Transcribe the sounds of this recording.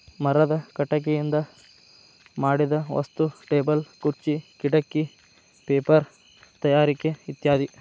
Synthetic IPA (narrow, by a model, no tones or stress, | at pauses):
mɐɾɐd̪ɐkɐʈɐk̬ejind̪ɐ | maːɽid̪ɐʋɐ̰st̪uʈeːbɐlkuɾt͡ʃikiɽɐkːi | peːpɐɾ | t̪ɐjaːɾikeit̪jaːd̪i